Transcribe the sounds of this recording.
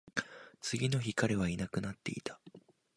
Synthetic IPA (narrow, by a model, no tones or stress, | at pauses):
t͡sɨɡʲino̞çikaɾe̞β̞ainakɯ̟nat̪ːe̞̰it̪ʰḁ